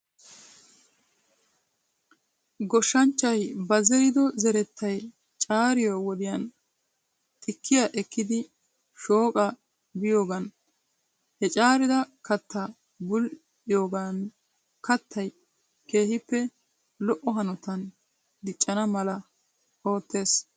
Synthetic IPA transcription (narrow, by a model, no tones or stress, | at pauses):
ɡɔʃːɐnt͡ʃːɐjbɐzɛɾɪd̪ɔzɛɾɛt̪ʰːɐj | t͡ʃʼaːɾɪjoːwɔd̪ɪjɐn | t̪ʼɪkʰːɪjaʔɛkːɪd̪ɪ | ʃo̞ːkʼɐ | bɪjo̞ːɡɐn | hɛt͡ʃʼaːɾɪd̪ɐkɐt̪ːɐ | bʊl | ɪjo̞ːɡɐn | kɐt̪ʰːɐj | ke̞ːhɪpːɛ | lɔʔːɔɦɐnɔt̪ɐn | d̪ɪt͡ʃʼːɐnɐmɐlɐ | o̞ːt̪ːe̞ːs